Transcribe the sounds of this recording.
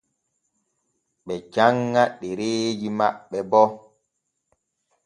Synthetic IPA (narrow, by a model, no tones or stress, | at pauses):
ɓɛd͡ʒaŋːaɗɛɾeːd͡ʒimaɓːɛbɔ